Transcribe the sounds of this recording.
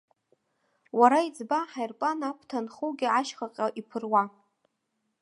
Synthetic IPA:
waɾaid͡zbaħajrpʼanapʰtʰanχuɡʲɪaʃχaqʲʼaʔipʰɨrwa

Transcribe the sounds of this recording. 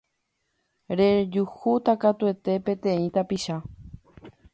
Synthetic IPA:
ɾed͡ʒuhut̪akat̪ue̞t̪e̞pẽ̞t̪ẽ̞ĩt̪apiʃa

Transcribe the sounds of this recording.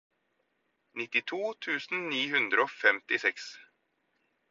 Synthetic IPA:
nɪt̪ːɪt̪ʰuːt̪ʰʉːsn̩niːɦʉnd̪ɾəofɛmt̪ɪsɛks

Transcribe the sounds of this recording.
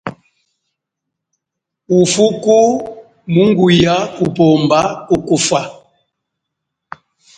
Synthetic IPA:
ufuku | muŋɡujaupɔmbaukufa

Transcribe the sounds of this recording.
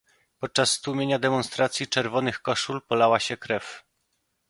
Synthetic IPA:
pɔt̪̚t͡ʂasːt̪umʲeɲad̪ɛmɔnst̪ɾat̪sʲjit͡ʂɛɾvɔnɘxkɔʂulpɔlawaɕɛkɾɛf

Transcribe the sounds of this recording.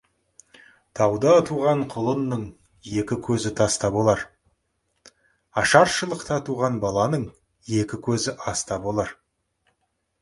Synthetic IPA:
t̪ʰɑwd̪ɑt̪ʰuʁɑɴqʰʊlˠənːəɴ | je̞kʲɪkʲʰɵzɪt̪ʰɑst̪ɑbolˠɑɾ | ɑʃɑɾʃəlˠəqt̪ɑt̪ʰuʁɑnbɑlˠɑnəɴ | je̞kʲɪkʲʰɵzɪʔɑst̪ɑbolˠɑɾ

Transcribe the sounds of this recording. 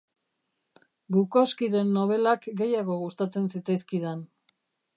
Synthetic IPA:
bukoskiɾe̞nːo̞βe̞lakɡe̞jaɣo̞ɣust̪at͡se̞nsit͡sajskiðan

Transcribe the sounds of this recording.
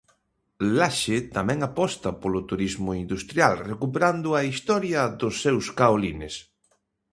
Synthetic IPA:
laʃet̪amɛ̃ŋapɔst̪ɐpolʊt̪uɾizmʊind̪ust̪ɾjalrekupeɾand̪ʊɐist̪ɔɾjɐðʊsːewskaolinɪs

